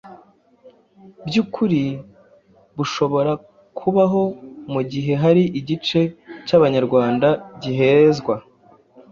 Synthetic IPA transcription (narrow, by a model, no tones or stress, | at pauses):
bjuːkʰuɾi | βuʃo̞βo̞ɾa | kʰuβaɦo̞muɟiɦe̞ɦaɾiʔiɟit͡ʃe̞caβaɲaɾɡwaːndaɟiɦe̞zɡwa